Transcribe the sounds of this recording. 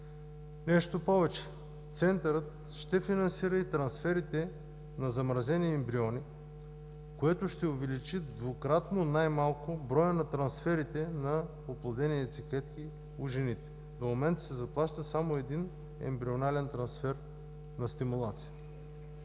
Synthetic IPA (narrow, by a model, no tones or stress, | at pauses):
nɛʃt̪opɔvɛt͡ʃɛ̥ | t̪sɛnt̪ɐɾət̪ | ʃt̪ɛfinɐnsiɾəit̪ɾɐnsfɛɾit̪ɛ | nɐzɐmɾɐzɛniɛmbɾiɔni | koɛt̪ʊʃt̪ɛʊvɛlit͡ʃid̪vokɾat̪nonajmalˠkʊbɾɔjənɐt̪ɾɐnsfɛɾit̪ɛnɐ | oplˠɐd̪ɛniɛt̪siklɛt̪ki | ʊʒɛnit̪ɛ̥ | d̪omomɛnt̪ɐsɛzɐplˠaʃt̪əsamoɛd̪in | ɛ̰mbɾionalɛnt̪ɾɐnsfɛɾ | nɐst̪imulˠat̪si̥jə